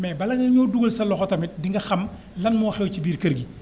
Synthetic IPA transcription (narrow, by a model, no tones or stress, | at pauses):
mɛbɐlɐŋɡɐɲɔːduɡɐlsɐlɔxɔtɐmit̚diŋɡɐxɐm | lɐnmɔːxɛwcibiːɾkɐɾɡi